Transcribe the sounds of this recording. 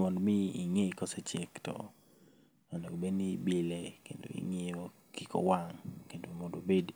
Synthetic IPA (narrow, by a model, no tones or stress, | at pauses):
mɔdmiːŋeikɔsɛt͡ʃektɔ̰ | anoɡbenibɪlekendo̰ḭŋeo | kikɔ̰waŋkendomɔdobed